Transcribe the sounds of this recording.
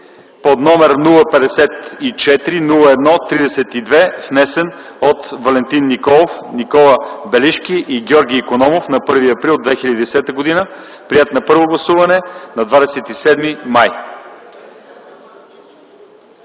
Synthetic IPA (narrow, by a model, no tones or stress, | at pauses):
pod̪nɔmɛɾnulˠəpɛd̪ɛsɛt̪it͡ʃɛt̪ɾinulˠəɛd̪nɔt̪ɾid̪ɛsɛt̪id̪vɛvnɛsɛn | ot̪vɐlɛnt̪inːikɔlˠofnikɔlˠəbɛliʃkiʔiɡʲɔɾɡ̟ʲiːkonɔmofnɐpɤɾviɐpɾilˠod̪vɛxilʲəd̪id̪ɛsɛt̪əɡod̪inəpɾiɛt̪nɐpɤɾvoɡlˠɐsuvɐnɛnɐd̪vad̪ɛsɛt̪isɛd̪mimaj